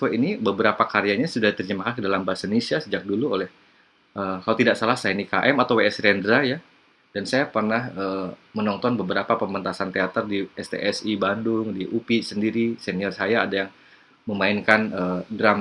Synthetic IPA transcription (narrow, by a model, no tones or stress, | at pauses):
wɛinibəbəɾapakaɾiaɲasudaat̪ərd͡ʒəmakak̚dalambasanisiasəd͡ʒak̚duluolɛh | ʔəːkalot̪idaksalahsajanikaʔɛmat̪aweɛsɾɛndɾaja | d̥ansajapərnahəːmənɔnt̪ɔnbəbəɾapapəmənt̪asant̪eat̪ərdiɛst̪ḛʔɛsibadʊŋdiʔupisəndiɾisɛniɔrsajaːdajaŋ | məmainkanəːdɾam